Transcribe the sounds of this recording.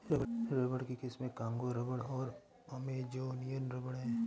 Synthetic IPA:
ɾəɾɐbəɽkikɪsmẽkãːŋɡoɾəbəɽɔːɾ | ɐmed͡ʒoːnijənɾɐbəɽɦɛ̃

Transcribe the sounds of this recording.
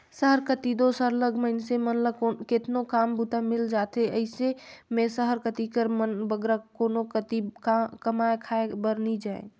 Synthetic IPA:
səɦəɾkət̪id̪osaɾləɡʱməɪnsemənləket̪nokambut̪amɪld͡ʒat̪eʔəɪsemẽsəɦəɾkət̪ikəɾmənbəɡɾakonokət̪ikəmaekʰaebəɾnid͡ʒaːḛ

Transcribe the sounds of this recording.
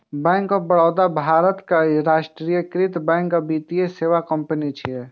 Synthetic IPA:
bɛ̃ːŋkɔbəɽɔːd̪abʱaːɾət̪kaɾaːʃʈɾijəkɾɪt̪bɛ̃ːŋkəbit̪ijeseːʋakəmpənit͡ʃʰiɛ

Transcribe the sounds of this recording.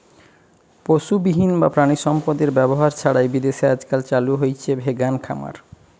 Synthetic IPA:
poʃubiɦinbapɾaniʃɔmpod̪eɾbɛboɦaɾt͡ɕʰaɽajbid̪eʃead͡ʑkalt͡ɕaluɦojt͡ɕʰebʱeɡankʰa̰ma̰ɾ

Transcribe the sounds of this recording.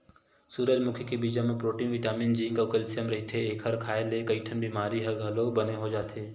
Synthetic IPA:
suːɾəd͡ʒmʊkʰjkebiːd͡ʒamẽpɾoːʈiːnʋɪʈaːmiːnd͡ʒiŋkɐʋkəlsijəmɾɐɦit̪ʰeːkʰəɾkʰaːelekəiʈʰənbimaːɾiɦəɡʱəlobəneɦod͡ʒaːt̪ʰeː

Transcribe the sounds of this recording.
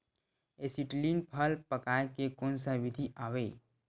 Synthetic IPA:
esiʈlinpʰəlpəkaːekekoːnsaʋɪd̪ʱiʔaːʋeː

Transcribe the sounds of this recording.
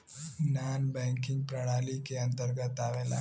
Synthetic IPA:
naːnbɛ̃ːŋkɪ̃ŋɡ̚pɾəɽaːlikeɐ̃nt̪əɾɡət̪aːʋeːla̰ː

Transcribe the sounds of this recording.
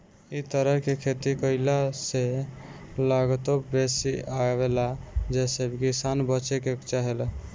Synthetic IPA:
it̪əɾəɦkekʰet̪ikəɪlase | laɡt̪obesiabelad͡ʒesebkisanbət͡ʃekekt͡ʃaɦel

